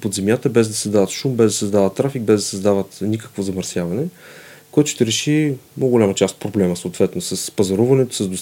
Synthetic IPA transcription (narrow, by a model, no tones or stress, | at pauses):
pod̪zɛmjat̪əbɛzd̪ɐsɐzd̪avət̪ʃumbɛzd̪ɐsɛzd̪avət̪ːɾafiɡ̚bɛzd̪ɐsəzd̪avət̪nʲikə̥kvozɐməɾsjavɐnɛkojat̪o̥ʃt̪ɛɾɛʃimoɡolʲamət͡ʃast̪pɾoblɛməsoːt̪vɛt̪nosəspɐzɐɾuvɐnɛt̪o̥səzd̪os